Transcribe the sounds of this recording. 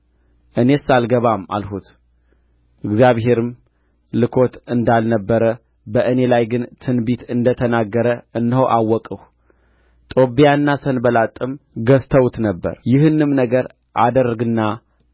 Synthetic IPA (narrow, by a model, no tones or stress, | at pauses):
ʔɨne̞salɡəβama̰lhut̪ | ɨɡzjaβɦe̞ɾɨm | lɨkʰo̞t̪ɨnd̪alnəbːəɾə | bəʔɨne̞lajɡɨnt̪ʰɨnbit̪ɨnd̪ət̪ʰənaɡːəɾəɨnːɨhowʔawːɔkʼəh | t̪ʼo̞bijanːasənbəlat̪ʼːɨmɡəst̪ʰəwut̪nəbːə̰ɾjɪhɨnːɨmnəɡəɾ | ʔad̪ərːəɡɨnːa